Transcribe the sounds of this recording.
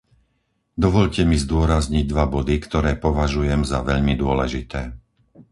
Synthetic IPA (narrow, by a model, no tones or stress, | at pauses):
d̪ɔʋɔʎcɛmizd̪ʊɔɾazɲiɟ̚d̪ʋabɔd̪ikt̪ɔɾɛːpɔʋaʒujɛmzaʋɛʎmid̪ʊɔlɛʒit̪ɛː